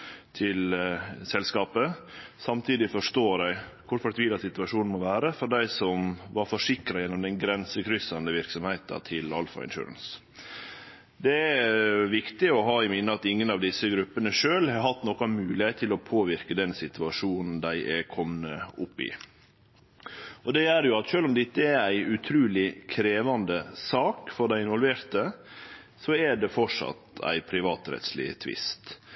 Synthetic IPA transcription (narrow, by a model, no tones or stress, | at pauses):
t̪ʰɪlsɛlskɑːpəsɑmt̪ʰiːd̪ɪfɔʂt̪oːɾæɪkʰʊɾfɔt̪ʰʋiːlɑsɪt̪ʉɑʂuːnn̩mɔʋæːɾəfɔɖæɪsɔmʋɑɾfɔʂɪkɾɑjɛnːɔmd̪ɛnɡɾɛnsəkʰɾʏsɑnd̪əʋɪɾksɔmhɛɪt̪ɑ̰t̪ʰɪlɑlfɑ̰ɪ̰nʃʉ̰ːɾə̰ns | d̪ɛæʋɪkt̪ɪɔɦɑːɪmɪnːəɑt̪ɪŋːənɑʋd̪ɪsːəɡɾʉpːənəʂøːlhɑɾɦɑt̪ːnɔkɑmʉːlɪeːt̪ʰːɪlɔpʰoːʋɪɾkəd̪ɛnsɪt̪ʉɑʂuːnn̩d̪æɪʔɛkʰɔmnəʊpːɪ̰ | ɔd̪ɛjæɾjʊɑt̪ʃøːlɔmd̪ɪt̪ːəææɪʉt̪ʰɾʉːlɪkʰɾeːʋɑnd̪əsɑːkfɔɾɖ̪æɪɪnʋɔlʋeːɾt̪ə | sɔɛɖ̪ɛfɔʂɑ̰t̪æ̰ɪpʰɾɪʋɑːt̪ɾɛ̰t̪slḭːt̪ʰʋɪ̰st̪